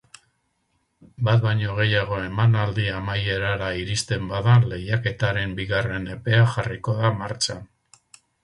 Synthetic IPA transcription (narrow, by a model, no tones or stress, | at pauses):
bat̪̚baɲo̞ɣ̞e̞jaɣ̞o̞e̞manald̪iamaje̞ɾaɾaiɾist̪e̞mbaðanle̞jake̞t̪aɾe̞mbiɣare̞ne̞pe̞axariko̞ðamaɾt͡ʃan